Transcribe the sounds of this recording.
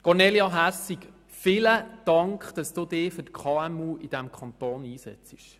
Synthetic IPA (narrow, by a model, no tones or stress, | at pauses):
kɔɾneljɑɦæsːik | fɪləd̥ɑŋkχd̥ɑsd̥uːdɪːfʏtkʰχɑːɛmuːʔid̥æmkʰɑnt̪oːniːsɛ̰t͡sɪ̥ʃ